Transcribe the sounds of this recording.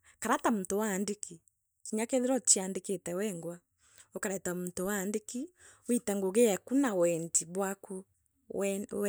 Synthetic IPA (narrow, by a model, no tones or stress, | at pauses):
kaɾatam̩towaːndeki | kiɲakeðeɾɔt͡ʃiandeketɛwɛŋɡwa | okaɾɛtamutowaːndeki | witaŋɡoɣejɛkunawɛntiβwaku